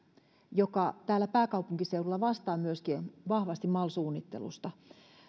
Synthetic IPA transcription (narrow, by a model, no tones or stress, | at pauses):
jokɑt̪æːlːæpæːkɑwpuŋkiseurulːɑʋɑst̪ɑːmyøskiʋɑhʋɑst̪immɑlsuːnːit̪ːḛlṵst̪ɑ